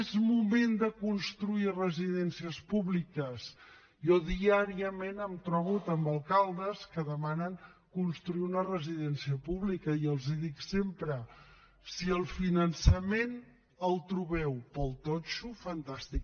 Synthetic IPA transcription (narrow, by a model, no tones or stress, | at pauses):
zmumend̪əkunst̪ɾuirəziðɛnsiəspuβlikəz | jɔðiaɾiəmenəmt̪ɾɔβut̪əmbəlˠkalˠd̪əskəðəmanəŋkunst̪ɾuiunərəziðɛnsiəpuβlikəiəlˠziðiksempɾə | siəlˠfinənsəmen | əlˠt̪ɾuβɛwpəlˠt̪ɔt͡ʃufənt̪ast̪ik